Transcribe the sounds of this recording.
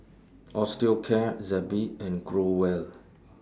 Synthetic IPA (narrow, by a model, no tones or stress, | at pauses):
ʔɔstikʰɛzɛbiɛ̃nɡɹowɛl